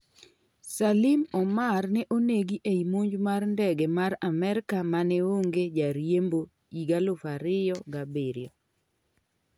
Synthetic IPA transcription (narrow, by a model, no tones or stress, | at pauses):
salɪmɔmarnɛʔoneɡiʔeimoɲd͡ʒmarndɛɡemaɾamɛɾɪkamanɛwoŋɡed͡ʒaɾjembo | iɡalʊfaɾɪjɔɡabeɾɪjɔ